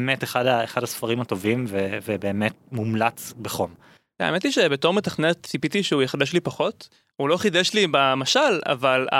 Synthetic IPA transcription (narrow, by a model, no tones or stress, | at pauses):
meteχadaeχadhasfaʁimato̞vimvevebeːmet̚mumlat͡sbeχo̞m | a̰emet̪iʃe̞beto̞ʁmetaχnet̪t͡sipit̪iʃeujeχad̪ʃlipaχo̞t̪ | ulo̞χid̪eʃlibamaʃala̰vala̰